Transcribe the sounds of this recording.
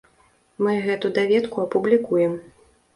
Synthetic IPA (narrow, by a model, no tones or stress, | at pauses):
mɨɣɛt̪ud̪avʲɛt̪kuɐpublʲikujɛm